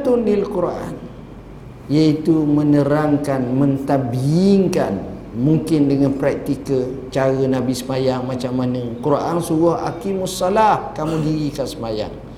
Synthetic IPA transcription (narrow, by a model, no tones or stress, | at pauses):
t̪undilkuɾʔa̰n | jait̪umə̃nəɾaŋkanmə̃nt̪abiɪŋkan | muŋkɪndəŋanpɾak̚t̪ikə | t͡ʃaɾənãbisəmajaŋmat͡ʃamːanə̃kuɾʔansuɣʊha̰kimasːalahkamũdiɣikasəmaja̰ŋ